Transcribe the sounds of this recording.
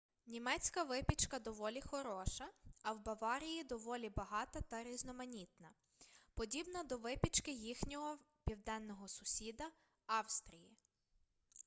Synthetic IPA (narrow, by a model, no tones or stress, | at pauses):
nʲimɛt͡sʲkɐʋɪpʲit͡ʃkɐd̪ɔʋɔlʲixɔɾɔʃɐːwbɐʋɑɾʲijid̪ɔʋɔlʲibɐɦɑt̪ɐt̪ɐɾʲiznɔmɐnʲit̪̚nɐ | pɔdʲibnɐd̪ɔʋɪpʲit͡ʃkɪjixnʲɔɦɔ | pʲiwd̪ɛnːɔɦɔsʊsʲid̪ɐ | ɑwst̪ɾʲiji